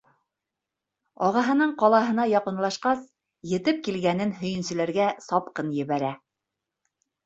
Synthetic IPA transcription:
ɒʁɑɦɤ̆nɤɴqɒlˠɑɦɤ̆n̪ɑjɑqɤ̆nlˠɑʃqɑs | jɘ̆t̪ɘp̚kilɡænɘnɦɵ̆jɘ̆nsɘ̆læɾɡæsɒpqɤnjɘ̆βæɾæ

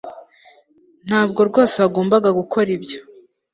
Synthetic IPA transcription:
n̥haːb̚ɡo̞ɾɡo̞ːseβaɡo̞ːmbaɡaɡukʰo̞ɾibɟo̥

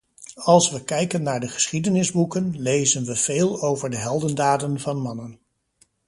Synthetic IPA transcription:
ɑlˠsʋəkɛjkənːaːɹdəχə̥sχidənɪzbukənlejzənʋəv̥eːlˠowvəɹdəɦɛlˠdəndaːdənvɑnmɑnən

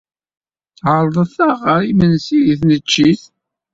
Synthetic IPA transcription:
ʕəɾˤðˤəθaʁəɾimənsijiθnət͡ʃːiθ

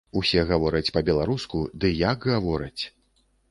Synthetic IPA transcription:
usʲɛɣavɔɾɐt͡sʲpɐbʲɛlˠaɾuskud̪ɨjaɡɣavɔɾɐt͡sʲ

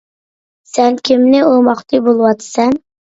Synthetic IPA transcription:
sɛnkʲʰɪmnɪomɑχt̪ɨbolˠɨwɑt̪ʰsɛn

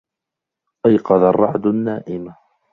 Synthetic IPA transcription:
ʔajqɑðarˤːɑʕd̪ʊnːaːʔɪm

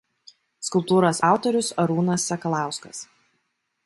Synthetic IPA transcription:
skʊlˠp̚t̪uːɾoːsɑˑʊt̪ɔɾʲʊsɐɾuːnɐsːʲɐkɐlˠɑˑʊskɐs

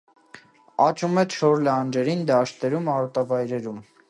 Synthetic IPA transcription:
ɑt͡ʃʰumɛt͡ʃʰɔɾlɑnd͡ʒɛɾind̪ɑʃt̪ɛɾumɑɾɔt̪ɑvɑjɾɛɾum

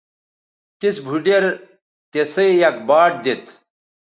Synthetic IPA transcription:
t̪isbʱuɖeɾ | t̪esɐjjɐk̚baːʈ̚d̪et̪ʰ

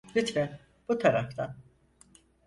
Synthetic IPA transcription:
lʲit͡ʃvɛ | b̥ut̪ʰaɾaft̪ʰan

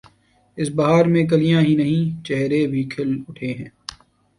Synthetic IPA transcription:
ɪsbɐɦaːɾmẽk̬ɐlijãːɦinɐɦĩt͡ʃɛɦɾebʱikʰɪlʊʈʰeɦɛ̃ː

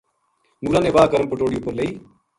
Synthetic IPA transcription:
nuːɾaneʋaːkəɾəmpəʈoːɽijoːpəɾleiː

